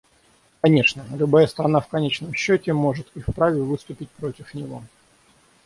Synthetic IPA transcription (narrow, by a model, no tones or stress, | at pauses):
kɐnʲeʂnəlʲʊbajəst̪ɾɐnafkɐnʲet͡ɕnəmɕːotʲɪmo̞ʐɨt̪ifpɾavʲɪvɨst̪ʊpʲɪt̚ʲpɾo̞tʲɪfnʲɪvo̞̰